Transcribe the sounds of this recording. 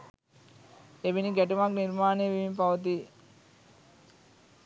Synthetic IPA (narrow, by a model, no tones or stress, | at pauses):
eʋiniɡæʈumakniɾmaːneːʋiʋimpaʋət̪i